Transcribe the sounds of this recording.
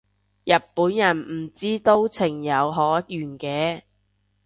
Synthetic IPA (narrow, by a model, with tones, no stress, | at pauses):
jɐ˨˩t̚puː˨˥njɐ˨˩nm̩˨˩t͡siː˥t̪o˥wt͡sʰɪ˨˩ŋjɐ˨˧wɦɔː˨˥jyː˨˩nkɛː˧